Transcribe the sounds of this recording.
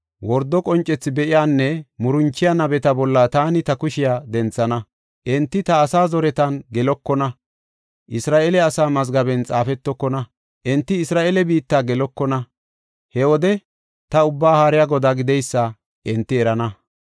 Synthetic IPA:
wɔɾd̪ːɔkʼɔnt͡ʃʼːɛt͡sːɪbɛʔɪjaːnːɛmʊɾʊnt͡ʃːɪjanɐbɛt̪ɐbɔlːat̪aːnɪt̪ɐkʊʃɪjaːd̪ɛnt͡sːɐnɐ | ʔɛnt̪ːɪt̪ɐːsaːzɔɾɛt̪ɐnɡɛlɔkːɔnɐ | ʔɪsɾaːʔɛlɛɐsaːmɐzɡɐbɛnt͡sʼaːfɛt̪ːɔkːɔnɐ | ʔɛnt̪ːɪɪsɾaːʔelɛbiːt̪ːaːɡɛlɔkːɔnɐ | hɛwɔd̪ɛ | t̪ɐʊbːaːhaːɾɪjaɡɔd̪aɡɪd̪ɛjsːɐ | ʔɪnt̪ːɪɛɾɐnɐ

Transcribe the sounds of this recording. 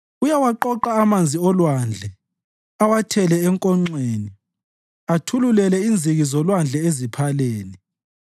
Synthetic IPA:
ujawaǃɔǃaːmand͡zʱiɔlwand͡ɮʱɛ | awatʰɛlɛɛŋkʼɔŋ͡ǀweːni | atʰululɛlɛind͡zʱiɣizɔlwand͡ɮʱɛezipʰaleːni

